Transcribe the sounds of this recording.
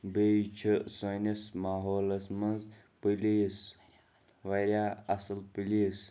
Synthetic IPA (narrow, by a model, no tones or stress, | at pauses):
bet͡ʃʰəsonɐsmaːɦoːlɐsmɐnz | pilis | ʋɐɾʲjaːɐsɐlpilis